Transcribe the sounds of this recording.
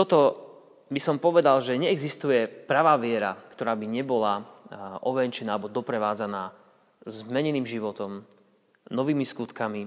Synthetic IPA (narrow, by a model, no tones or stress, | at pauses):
t̪ɔt̪ɔ | bisɔmpɔʋɛd̪alʒɛɲɛːɡzist̪ujɛpɾaʋaːʋɪɛɾa̰kt̪ɔɾaːbiɲɛbɔlaʔɔʋɛnt͡ʃɛnaːaɛbɔd̪ɔpɾɛʋaːd͡zanaː | zmɛɲɛniːmʒiʋɔt̪ɔm | nɔʋiːmiskut̪kami